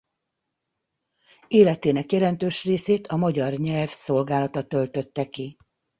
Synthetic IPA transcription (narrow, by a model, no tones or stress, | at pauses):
eːlɛt̪eːnɛkjɛlɛnt̪øːʃreːseːt̪ʰɒmɒɟɒrɲɛlfso̞lɡaːlɒt̪ɒt̪ø̞lt̪ø̞t̪ːɛki